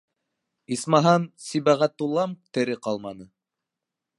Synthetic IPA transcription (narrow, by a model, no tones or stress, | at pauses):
ismɑɦɑnsibæʁæt̪ːulˠɑmt̪ɘ̆ɾɘqɑlˠmɑnɤ